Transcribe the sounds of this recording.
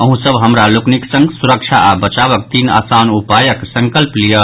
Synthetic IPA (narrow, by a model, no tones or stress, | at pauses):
əɦũsəbɦəmɾalokniksə̃ŋɡsuɾək̚t͡ʃʰaʔabət͡ʃaβək̚t̪ina̰sanupajəksə̃ŋkəlplijə